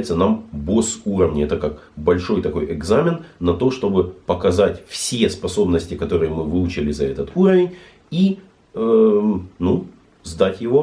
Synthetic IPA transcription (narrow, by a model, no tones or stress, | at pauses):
ɪt̪sənambo̞suɾəvnʲɪɛt̪əkak | bɐlʲʂo̞jt̪ɐko̞jʔɪɡzamʲɪnːɐt̪o̞ʂt̪o̞bɨpəkɐzatʲfsʲespɐso̞bnəsʲtʲɪkɐt̪o̞ɾɨjəmɨvɨlˠʊt͡ɕɪlʲɪzɐɛ̰t̪ət̪uɾəvʲɪnʲ | i | ənu | zd̪atʲjɪvo̞